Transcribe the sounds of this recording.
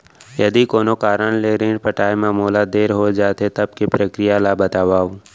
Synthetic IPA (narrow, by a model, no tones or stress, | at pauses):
jɐd̪ikoːnokaːɾənleːɾẽːɖpɐʈaːemaːmoːlad̪eːɾɦod͡ʒaːt̪et̪ɐb̚kepɾəkɾɪjalabɐt̪aːʋaːo